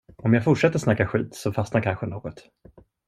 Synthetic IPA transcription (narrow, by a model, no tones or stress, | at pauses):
ɔmjaːɡfʊʈʂɛt̪ːəʂnakːaɧiːt̪sɔfasnaɾkʰanɧənoːɡɔt̪